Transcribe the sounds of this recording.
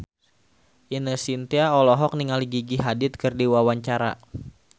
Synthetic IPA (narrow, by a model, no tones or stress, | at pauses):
ʔinəsint̪iaɔlɔɦɔk̚niŋaliɡiɡiɦadɪt̪̚kɨrdiwawaɲt͡ʃaɾa̰